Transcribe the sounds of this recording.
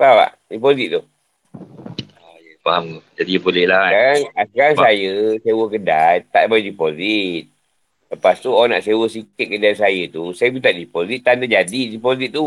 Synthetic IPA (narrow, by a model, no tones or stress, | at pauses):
paba̰ʔ | dipozit̪̚ːuh | ajəfamd͡ʒadibolɛhlaskaɾaŋasəkaɾaŋsajəsewəkədajt̪aʔbajdipozit̪̚ | ləpast̪uaana̰ʔsewəsikɪt̪̚kədajs̬ajət̪usajəbit̪aʔdipozit̪̚ːandəd͡ʒadidipozit̪̚ːu